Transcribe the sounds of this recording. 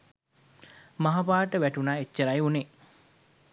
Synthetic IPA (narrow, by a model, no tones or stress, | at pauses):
maɦapaːʈəʋæʈunaːet͡ʃːəɾajune